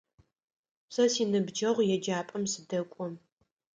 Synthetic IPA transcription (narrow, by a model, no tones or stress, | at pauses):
sɐsiːnɨbd͡ʒɐʁʷjɛd͡ʒaːpʼɐmsɨdɐkʷʼɔm